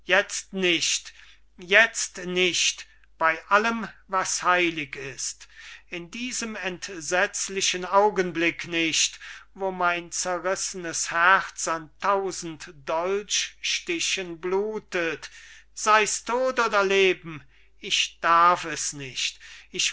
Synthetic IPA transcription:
jɛt͡stnɪʃt | jɛt͡stnɪʃt | b̥aɪʔaləmvashaɪlɪkɪstɪndiːzəmɛntz̥ɛt͡slɪʃənaʊɡənblɪknɪʃtvoːmaɪnt͡sɛʁɪsənəshæʁt͡santʰaʊzn̩td̥ɔlt͡ʃʃtɪɕənbluːtətz̥aɪstʰoːtʔoːdɐleːbm̩ | ɪçd̥aɐfɛsnɪʃtɪç

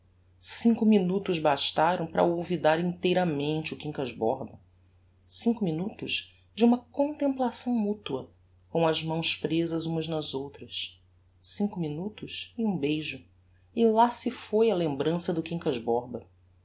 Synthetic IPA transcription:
sĩŋkʊminut̪ʊzbaʃt̪aɾɐ̃w̃pɾɐ̰owvid̪aɾĩnt̪ejɾɐmẽnt͡ʃɪʊkĩŋkɐzbɔɾbɐ | sĩŋkʊminut̪ʊʃ | d͡ʒɪũmɐkõnt̪ẽmplasɐ̃w̃mut̪uɐ | kõw̃ɐzmɐ̃w̃spɾezɐzũmɐznɐzowt̪ɾɐs | sĩŋkʊminut̪ʊʃɪũbejʒʊ | ɪlasɪfojɐlẽmbɾɐ̃sɐd̪ʊkĩŋkɐʒbɔɾbɐ

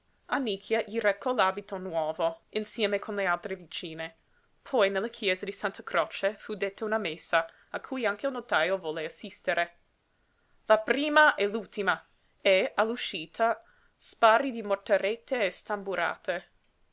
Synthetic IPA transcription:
anːikʰjaʎirekʰːɔlaːbit̪onwɔːvoinsjɛːmekʰonlealt̪ɾevit͡ʃiːne | pʰɔjnelːakʰjɛːzad̪isant̪akɾot͡ʃefud̪et̪ʰːaunamesːa | akʰujaŋkelnot̪ajovɔlːeasist̪eɾe | lapɾiːmaʔɛlult̪ima | ealːuʃiːt̪ʰa | spaɾid̪imort̪aɾet̪ːeːst̪ambuɾa̰ːt̪e

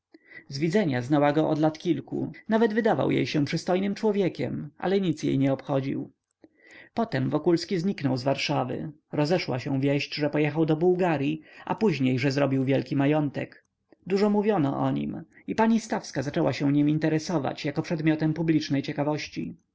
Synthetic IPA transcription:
zvʲid̪zɛɲaznawaɡɔʔɔd̪lat̪kʲilkṵnavɛd̪vɘd̪ava̰wjḛjɕɛ̃pʂɘst̪ɔjnɘmt͡ʂwɔvʲjɛkʲɛ̰mʔa̰lɛɲit̪sjḛjɲɛɔpxɔd͡ʑḭw | pɔt̪ɛmvɔkulskʲizɲiknɔwzvaɾʂavɘ̰ | ɾɔzɛʂwa̰ɕɛw̃vʲjɛɕd͡ʑʐɛpɔjɛxawd̪ɔbuwɡaɾʲjiʔa̰puʑɲejʐɛzɾɔbʲiwvʲjɛlkʲimajɔnt̪ɛk | d̪uʐɔmuvʲjɔnɔ̰ʔɔ̰ɲḭm | ipaɲist̪afskazat͡ʂɛwaɕɛ̃w̃ɲimint̪ɛɾɛsɔva̰t͡ɕjakɔpʂɛd̪mʲɔt̪ɛmpublʲit͡ʂnɛjt͡ɕɛkavɔɕt͡ɕḭ

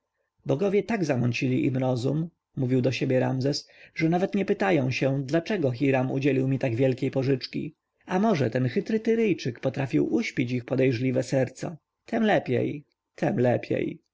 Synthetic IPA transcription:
bɔɡɔvʲjɛt̪aɡzamɔnt͡ɕilʲḭʔimɾɔzumː | uvʲiwd̪ɔɕebʲjɛɾa̰mzɛsʐɛnavɛt̪ɲɛpɘt̪ajɔ̃w̃ɕɛd̪lat͡ʂɛɡɔxʲiɾamṵd͡ʑelʲiwmʲit̪aɡvʲjɛlkʲejpɔʐɘt͡ʂkʲḭ | amɔʐɛt̪ɛnxɘt̪ɾɘt̪ɘɾɘjt͡ʂɘkpɔt̪ɾafʲiwʔuɕpʲit͡ɕixpɔd̪ɛjʐlʲivɛsɛɾt̪sa̰ | t̪ʰɛmlɛpʲjɛ̰j | t̪ʰɛmlɛpʲjḛj

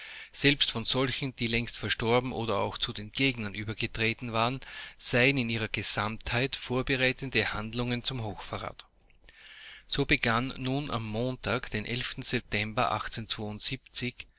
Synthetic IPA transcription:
z̥ɛlpstfɔnz̥ɔlçn̩d̥iːlɛŋstfɛɐʃtɔɐbm̩ʔoːdɐa̰ʊxt͡sudeːnɡ̥eːɡnɐnʔyːbɐɡətʁ̥eːtn̩vaːʁənz̥æɪənɪniːʁɐɡ̥əz̥amthaɪtfoːɐbəʁaɪtəndəhandlʊŋənt͡sʊmɦoːxfaʁa̰ːt | z̥oːbəɡanːuːnʔa̰mːoːntaːkd̥eːnʔɛ̰lftn̩z̥ɛp̚tɛmbɐʔa̰xt͡seːnt͡sv̥oːʊntz̥iːpt͡sɪç

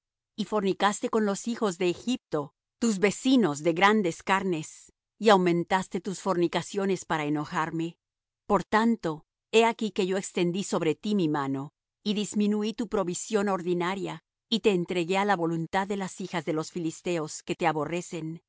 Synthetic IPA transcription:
ifo̞ɾnikast̪e̞ko̞nlo̞sixo̞zðe̞ːxip̚t̪o̞ | t̪uzβe̞sino̞zðe̞ɣɾand̪e̞skaɾne̞s | iawmẽ̞nt̪ast̪e̞t̪usfo̞ɾnikasjo̞ne̞spaɾaeno̞xaɾme̞ | po̞ɾt̪ant̪o̞ | e̞akike̞ʝo̞ekst̪e̞nd̪iso̞βɾe̞t̪imimano̞ | iðizmĩnuit̪upɾo̞βisjo̞no̞ɾðinaɾja | it̪e̞ːnt̪ɾe̞ɣe̞alaβo̞lunt̪aðːe̞lasixazðe̞lo̞sfilist̪e̞o̞ske̞t̪e̞aβo̞re̞se̞n

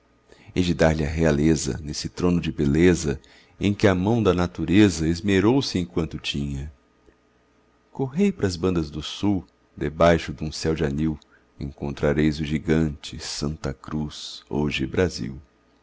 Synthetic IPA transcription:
ɛd͡ʒɪd̪aɾlɪɐɦealezɐ̰nesɪt̪ɾõnʊd͡ʒɪbelezɐ | ẽj̃kɪɐmɐ̃w̃d̪ɐnat̪uɾezɐizmeɾowsɪẽj̃kwɐ̃nt̪ʊt͡ʃĩɲɐ | koɦejpɾɐzbɐ̃nd̪ɐzd̪ʊsu | d̪ebajʃʊd̪ũsɛwd͡ʒɪaniw | ḛ̃ŋkõnt̪ɾaɾejzʊʒiɡɐ̃nt͡ʃɪsɐ̃nt̪ɐkɾuso̰ʒɪbɾazḭw

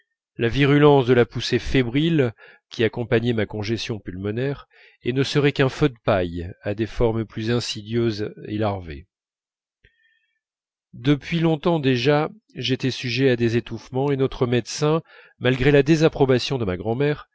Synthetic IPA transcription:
laviʁylɑ̃sd̪əlapusefebʁil | kʲiakɔ̃paɲɛmakɔ̃ʒɛsjɔ̃pylmɔnɛʁ | enəsəʁɛkɛ̃fød̪əpajad̪efɔʁmplyzɛ̃sid̪jøzḛlaʁvḛ | d̪əpɥilɔ̃t̪ɑ̃d̪eʒa | ʒet̪ɛsyʒead̪ezet̪ufmɑ̃enɔt̪χəmɛd̪sɛ̃ | malɡʁelad̪ezapχɔbasjɔ̃d̪əmaɡʁɑ̃mɛʁ

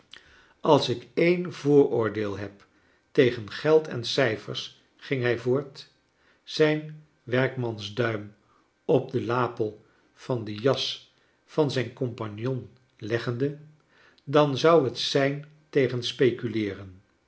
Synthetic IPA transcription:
ɑlˠsɪkejnvʊːɹʊːɹdeːlˠɦɛp | tejχənχɛlˠtʰɛ̰nsɛjfə̰ɹs | χɪŋɦɛjvʊːɹt | sɛjn | ʋɛɹkmɑnzdœɥm | ɔb̚dəlaːpəlˠ | v̥ɑndəjɑs | fɑnzɛjnkɔmpɑnjɔn | lɛχəndə | dɑnzʌwɦətsɛjn | tejχənspejkylɪːrən

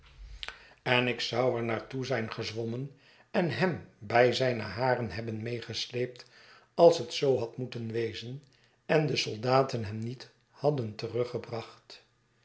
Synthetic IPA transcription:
ɛnɪksɑwɛɹnaːɹtuzɛjnχəzʋɔmən | ɛnɦɛmbɛjzɛjnəɦaːrənɦɛbənmejχəslejp̚t | ɑlˠsɦətsowɦɑtmutənʋejzən | ɛndəsɔlˠdaːtənɦɛmnit | hɑdəntərɵχəbrɑχt

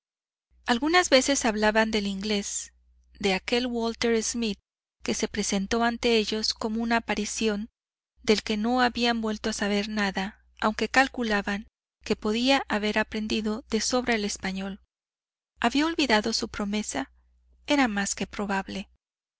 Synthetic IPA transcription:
alɣunazβe̞se̞saβlaβand̪e̞liŋɡle̞s | d̪e̞ake̞lwolt̪e̞ɾezmið | ke̞se̞pɾe̞se̞nt̪o̞ant̪e̞e̞ʝo̞sko̞mo̞unaːpaɾisjo̞n | d̪e̞lke̞no̞aβiambwe̞lt̪o̞asaβ̞e̞ɾnaða | awŋke̞kalkulaβaŋ | ke̞po̞ðiaʔaβe̞ɾapɾe̞nd̪iðo̞ðe̞so̞βɾeele̞spaɲo̞l | aβiao̞lβiðaðo̞supɾo̞me̞sa | e̞ɾamaske̞pɾo̞βaβle̞

